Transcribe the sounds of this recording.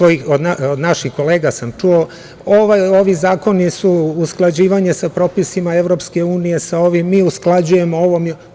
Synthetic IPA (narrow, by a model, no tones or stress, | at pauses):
oiod̪naod̪naʃixko̞leːɡasamt͡ʃuo | oʋajo̞ʋizaːko̞nisuusklˠad͡ʑiːʋaɲe̞sapɾo̞ːpisimae̞ʋɾo̞pske̞uːnije̞sao̞ʋimːiːusklˠad͡ʑuje̞mooʋom